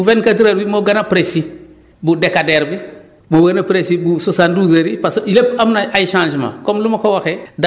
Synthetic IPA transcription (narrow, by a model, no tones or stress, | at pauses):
uvenkatiɾaɾbimoɡanapɾesi | budekadeɾbi | moɡanapɾesibususanduzeɾipasilepamnaajiʃãːnd͡ʒma̰komlumakowaxed